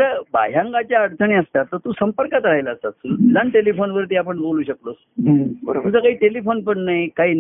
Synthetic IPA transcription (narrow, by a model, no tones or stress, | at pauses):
ɾəba̰jãŋɡat͡ɕjaəɽt͡səɳiəst̪at̪ːəɾt̪uːsəmpəɾkat̪ɾaɦjlaːst̪at̪t̪ud͡zanʈelifonʋəɾt̪iːapəɳboluːɕəklos | bət̪ud͡zəkaɦiːʈelifonpəɳnajkaɦiːn